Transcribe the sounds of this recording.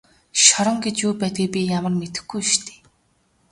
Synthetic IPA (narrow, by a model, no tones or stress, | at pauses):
ʃɔɾɞ̆ŋɡet͡ɕjuːpæːt̪̚ɡiːpʲijamə̆rmet̪ɘ̆xɡujʃt̪ʰe̥ː